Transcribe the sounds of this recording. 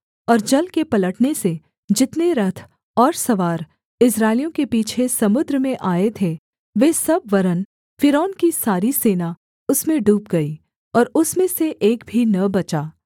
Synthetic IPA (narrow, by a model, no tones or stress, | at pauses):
ɔːɾd͡ʒɐlkepɐləʈnese | d͡ʒɪt̪neɾɐt̪ʰ | ɔːɾsɐʋaːɾ | ɪsɾaːɪlijõkepiːt͡ʃʰesɐmʊd̪ɾəmẽʔaːet̪ʰe | ʋeːsɐbʋɐɾən | fɪɾɔːnkisaːɾiseːna | ʊsmẽɖuːp̚ɡɐi | ɔːɾʊsmẽseʔeːkbʱinɐbɐt͡ʃaː